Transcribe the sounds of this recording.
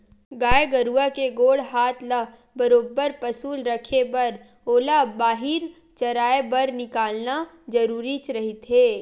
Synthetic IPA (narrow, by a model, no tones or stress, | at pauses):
ɡaːeɡɐɾuakeɡoːɽɦaːt̪ʰləɦ | bɐɾoːbːəɾpɐsuːlɾəkʰebɐɾ | oːlabaːɦɪɾ | t͡ʃɐɾaːebɐɾnɪkaːlna | d͡ʒɐɾuːɾit͡ʃɾɐɦit̪ɦeː